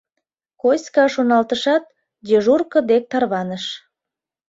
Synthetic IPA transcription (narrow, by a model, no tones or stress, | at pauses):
kosʲkɑʃonɑlt̪əʃɑt̪̚ | d̪ʲeʒurkə̆d̪ek̚t̪ɑrβɑnəʃ